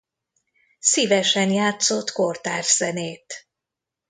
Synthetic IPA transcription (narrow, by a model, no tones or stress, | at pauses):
siːvɛʃɛnjaːt̪so̞t̪kort̪aːʒz̥ɛneːt̪